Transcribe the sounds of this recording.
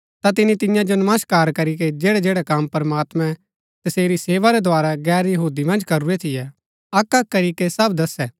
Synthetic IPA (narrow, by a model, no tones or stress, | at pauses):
t̪at̪ɪnit̪ɪjãd͡ʒonɐməskaːɾkɐɾiked͡ʒeːɽɛd͡ʒeːɽɛkampɐɾmaːt̪mɛ̃ | t̪ɐseːɾiseːʋaɾɛd̪ʱʊaːɾaɡɛːɾjɐɦuːd̪imɐ̃nd͡ʒkɐɾuɾet̪ʰɪjɛ | ɐkːɐkːɐɾikesɐbd̪ɐsɛː